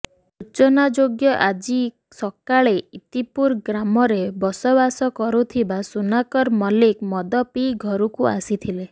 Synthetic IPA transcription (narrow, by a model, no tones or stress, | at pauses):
ut͡ʃɔnad͡ʒoɡjɔʔad͡ʒi | sɔkaɭeit̪ipuɾɡɾamɔɾebɔsɔbasɔkɔɾut̪ʰibasunakɔɾmɔlikmɔd̪ɔpiɡʱɔɾukua̰sit̪ʰile